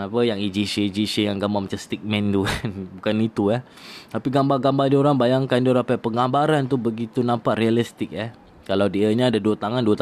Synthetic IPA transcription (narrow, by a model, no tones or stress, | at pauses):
apəjaŋid͡ʒiʃəid͡ʒiʃəjaŋɡambarmat͡ʃamst̪it̪̚mɛ̃nt̪ukanbukanit̪uah | t̪apiɡambarɡambadioɾaŋbajaŋkandioɾapapəŋɡambaɾant̪ubəɡit̪unãmpaʔrialist̪ɪk̚ɛh | kalawdiəɲaːdaduət̪aŋanduat̪